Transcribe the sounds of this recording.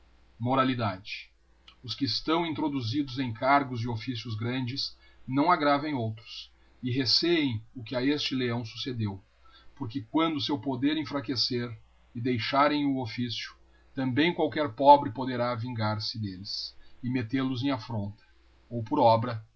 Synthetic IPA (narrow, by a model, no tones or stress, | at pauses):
moɾalid̪ad͡ʒɪ | ʊskɪːst̪ɐ̃w̃ĩnt̪ɾod̪uzid̪ʊzẽj̃kʰaɾɡʊzd͡ʒɪofisjʊzɡɾɐ̃nd͡ʒɪs | nɐ̃w̃aɡɾavẽj̃owt̪ɾʊs | ɪɦeseẽj̃ʊkɪaest͡ʃɪleɐ̃w̃su̥sed̪ew | poɾkɪkwɐ̃nd̪ʊsewpod̪eɾẽfɾakeseɾ | ɪd̪ejʃaɾẽj̃ʊofisjʊ̥ | t̪ɐ̃mbẽj̃kwawkɛɾpɔbɾɪpod̪eɾavĩŋɡaɾsɪd̪elɪsɪmet̪eɾlʊzẽj̃afɾõnt̪ɐ̥ | owpoɾɔbɾɐ